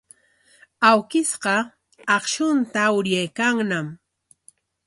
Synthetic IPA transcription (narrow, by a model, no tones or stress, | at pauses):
awkɪsɢɑ | ɑχʃʊnt̪aʊɾjajkaŋnam